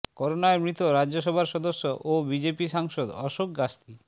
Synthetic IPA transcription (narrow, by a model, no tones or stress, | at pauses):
kɔɾonaemɾit̪oɾad͡ʑoʃ̬ɔbʱaɾʃɔd̪oʃːoʔobid͡ʑepiʃaŋʃod̪ɔʃok̚ɡast̪i